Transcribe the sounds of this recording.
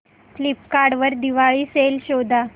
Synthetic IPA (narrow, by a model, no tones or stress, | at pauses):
flip̚kaɖʋəɾd̪iʋaɭiːselɕod̪ʱa